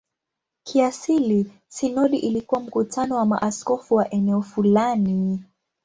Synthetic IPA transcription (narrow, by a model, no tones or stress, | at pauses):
kʰiasili | sinɔɗiʔilikuwam̩kutʰanɔwama̰ʔaskɔfuwaʔɛnɛɔfulani